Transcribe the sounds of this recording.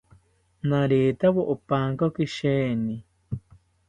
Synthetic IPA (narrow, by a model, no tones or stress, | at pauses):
naɾeːt̪aβoʔopaːŋkokiʃeːni